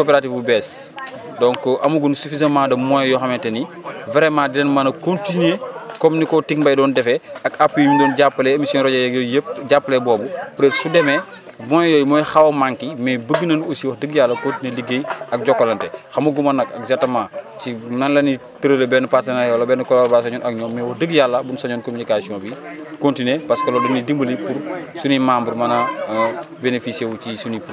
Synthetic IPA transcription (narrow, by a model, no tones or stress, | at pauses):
kopɛɾatifbubɛːs | dɔŋkɔʔɐmuɡunsufizɐmaːdɐmɔjjɔxɐmɛtɐni | vɛɾɛmaːdɛnmɐnɐkontinekominikɔtiŋbɐjdɔːndɛfɛɐkapːimidɔːnɟapːɐlɛemisjɔnɾɔɟɐjɔjəp̚ɟapːɐlɛbɔːbupɾɛːtsudɛmɛ | mɔjjɔːjmɔːjxɐwɐmaŋkimɛbəɡːənɐnosiwɐhdəɡjalːɐkontineliɡːejɐk̚ɟɔkːolɐntɛxɐmɐɡumɐnɐkɐkzatɐmãːcinɐnlɐnitəɾəlebɛnupaslɐnajɔlobɛːnɐkɔlɔɾbas̬ɐɲɔːnɐk̚ɲɔːmɛwɐhdəɡjalːɐbunsɐɲɔːnkominikaːsiɔ̃ːbikontinepɐskɐlɔdɔnidimbəlipuɾsunimaːmbuɾmɐnɐ | benefisewut͡ʃisunipu